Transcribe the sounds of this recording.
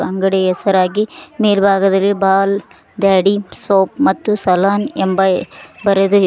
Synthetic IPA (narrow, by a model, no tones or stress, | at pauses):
ɐŋɡɐɽeɛsɐɾaːɡimeːlbʱaːɡɐd̪ɐlːibaːl | d̪aːɽisoːpmɐt̪ːusɐlaːnembɐbɐɾed̪u